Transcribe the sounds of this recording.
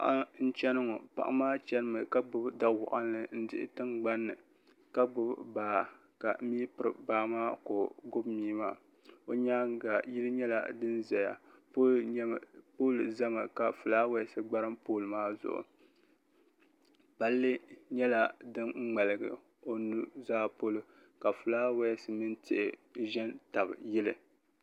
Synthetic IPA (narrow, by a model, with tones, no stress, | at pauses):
ʔa˦n̩˦t͡ʃɛ˦nɨ˦ŋɔ˨pa̰˨ʔa˨˦maː˦t͡ʃɛ˦nɨ˦mɨ˨ka˦ɡ͡bʊ˦bda˦wʊ̰˨ʔa˦n˦lɨ˦n̩˦dɪ˦ʔɪ̰˦tɨ˦ŋɡ͡ba˦nːɨ˨ | ka˦ɡ͡bʊ˦bbaː˨ | ka̰˨˦mi˦pɨ˨ɾɨ̰˨baː˦maː˦ko˨ɡʊ˦bmiː˦maː˦ | o˦ɲaː˦ɡa˨ji˦lɨ˦ɲɛ˦la̰˨dɨ˦nzɛ˨ja̰˨˦ | poː˦lza˦ma˨ka˨fu˨laː˦wa˦sɨ˨ɡ͡ba˦ɾɨ˦mpoː˦lɨ˨maː˦zʊ̰˨ʔʊ̰˨ | pa˦lːɨ˦ɲɛ˦la˦dɨ˦nŋ͡m̩˦ŋ͡ma˨lɨ˨ɡɨ̰˨ | o˨nu˦zaː˦po˦lʊ˨ | ka˨fu˨laː˦wa˦sɨ˨mɨ˦ntʰɪ̰˨ʔɪ˨ʒɛ˦nta˨bɨ˨jɪ˦lɨ̰˨